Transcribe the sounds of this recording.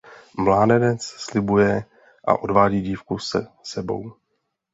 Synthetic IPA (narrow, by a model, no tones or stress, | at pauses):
mlaːnɛdɛt͡sslɪbujɛ | ʔa̰ʔo̞dvaːɟiːɟiːfkusɛsɛbo̞̰w